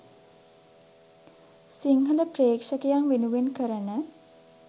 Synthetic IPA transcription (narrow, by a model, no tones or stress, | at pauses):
siŋɦələpreːkʂəkejaŋʋenuʋenkəɾənə